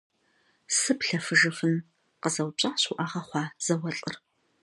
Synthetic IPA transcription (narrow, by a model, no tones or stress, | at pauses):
sɨpɬɐfɨʒɨfɨn | qəzɐwt͡ʃʼaːɕuʔaʁɐχʷɑːz̥ɐwɐɬʼɨ̰r